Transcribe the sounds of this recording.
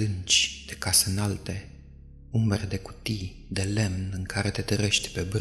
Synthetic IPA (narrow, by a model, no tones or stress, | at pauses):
ɨnt͡ʃʲd̪̥e̞kaseɨnalt̪e̞ | umbeɾed̪e̞ku̥t̪i | d̪e̞le̞mnɨŋkaɾet̪e̞t̪əɾe̞ʃt̪ʲpe̞b